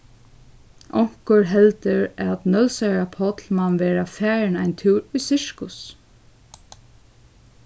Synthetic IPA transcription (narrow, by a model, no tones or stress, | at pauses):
ʔɔŋ̥kʊɹɦɛlt̪əɹæt̪nœlsaɹapʰɔt̪lmanʋeːɾafæːɾɪnajnt̪ʰuːɾʊjsɪɹkʊs